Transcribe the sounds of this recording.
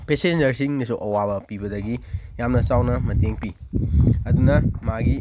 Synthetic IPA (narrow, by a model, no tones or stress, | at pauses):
pesend͡ʒɐɾsiŋnisuʔɐwaβɐpibɐdɐɡijamnɐsawnɐmɐteŋpi | ɐd̪unɐmaɡi